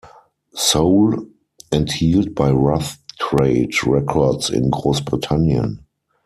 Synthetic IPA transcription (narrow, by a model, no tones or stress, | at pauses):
soʊl | ɛ̃nthiːlt̚baɪɹaθtʰɹeɪdɹɛkʰɔdsɪ̰̃nɡʁoʊsbʁɪtʰãnjə̰̃n